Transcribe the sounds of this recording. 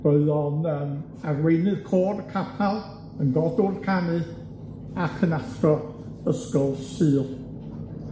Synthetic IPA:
b̥əɨðɔnəːm | arwejnɨðkʰɔːrəkʰapʰalˠ | ənɡɔdoːdkʰanɨ | akʰənastɔ | əskɔlˠsɨːlˠ

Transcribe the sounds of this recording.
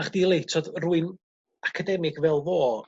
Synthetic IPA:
χd̥ilˠejtʰɔdruːɨn | akʰadɛmɪɡvɛlˠvoː

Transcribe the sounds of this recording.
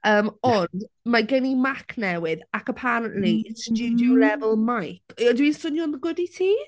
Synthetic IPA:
əːmɔndmaɡɛnimakʰnɛwɪðakəpʰaɾənʔlisdudɔwlɛvəlˠmajkʰdwinsʊnjɔnðəɡʊditʰiː

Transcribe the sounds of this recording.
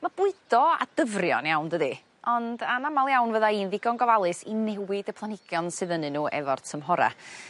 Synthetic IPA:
mab̥ʊɨd̥ɔa̰d̥əvrjɔ̰njawndəði | ɔndanamalˠjawnvəðainðɪɡɔnɡɔvalˠɨsinɛwɪdəpʰlˠanɪɡ̥jɔnsɨðənɨnuːʔɛ̰vɔrtʰəmɦɔɾa̰

